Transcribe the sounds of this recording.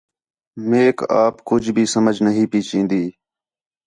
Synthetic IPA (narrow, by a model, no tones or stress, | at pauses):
meːka̰ːpkʊd͡ʒʱbʱiːsəməd͡ʒnəɦĩːpiːt͡ʃĩːnd̪iː